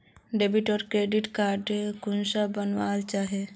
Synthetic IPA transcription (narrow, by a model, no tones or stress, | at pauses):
ɖeːbɪʈɔːɾkɾeːɖɪʈkaːɾɖekʊnsabənʋaːlt͡ʃaːɦe